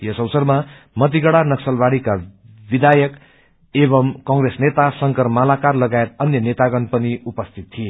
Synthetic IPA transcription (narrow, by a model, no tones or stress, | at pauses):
jʌsʌwsʌrma | mʌt̪̬iɡʌɽanʌksʌlbaɽika | bid̪ajʌk | eβʌmkʌŋɡresnet̪asʌŋkʌrmalakarlʌɡaet̪ʌnjʌnet̪aɡʌnpʌniupʌst̪ʰit̪tːʰie